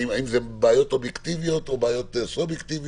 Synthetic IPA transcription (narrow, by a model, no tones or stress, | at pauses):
iaimzebaajo̞t̪objekt̪ivijo̞t̪obaajo̞t̪subjekt̪ivi